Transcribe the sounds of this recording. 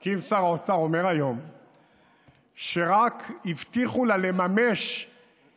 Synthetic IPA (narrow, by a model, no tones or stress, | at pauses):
kivsaʁaot͡saʁo̞me̞ʁajo̞m | ʃeʁakivt̪iχulalemame̞ʃ